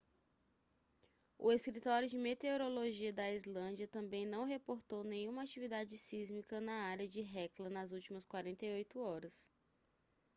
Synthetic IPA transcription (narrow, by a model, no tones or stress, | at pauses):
ʊ̰eskɾit̪ɔɾjʊd͡ʒɪmet̪eoɾoloʒiɐd̪ɐizlɐ̃d͡ʒiɐt̪ɐ̃bẽj̃nɐ̃w̃ɦepoɾt̪ownẽɲũmɐat͡ʃivid̪ad͡ʒɪsizmikɐnɐaɾjɐd͡ʒɪɦɛklɐnɐzuwt͡ʃimɐskwaɾẽnt̪ejojt̪ʊɔɾɐs